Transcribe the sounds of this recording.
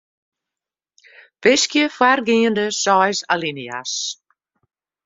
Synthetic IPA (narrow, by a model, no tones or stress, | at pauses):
v̥ɪskjəfwaɾɡiːəndəsɔjsalinia̰s